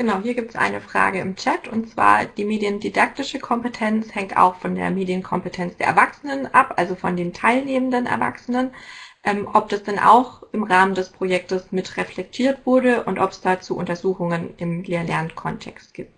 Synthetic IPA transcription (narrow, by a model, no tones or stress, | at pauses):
ɡ̥ənaʊɦiːɐɡiːptəsʔa̰ɪnəfʁ̥a̰ːɡəɪmt͡ʃɛtʰʊntt͡sv̥a̰ːɐd̥iːmeːdjəndidak̚tɪʃəkʰɔmpətʰɛnt͡shɛŋta̰ʊxfɔndḛːɐmeːdjənkʰɔmpətʰɛnt͡sd̥eːɐɛɐvaksənənʔapʔalzofɔndeːntʰaɪlneːməndənɛ̰ɐva̰ksənənʔɛːmʔɔp̚d̥asd̥ɛnʔa̰ʊxʔɪmʁaːməndɛspʁ̥ojɛk̚təsmɪtʁɛflɛk̚tʰiːɐtv̥ʊɐɾəʔʊntʔɔpɛ̥sd̥aːt͡suːʔʊ̰ntɐzuːxʊŋənɪmleːɐlɛɐnkʰɔntʰɛ̰kst̚ɡ̥iːp̚t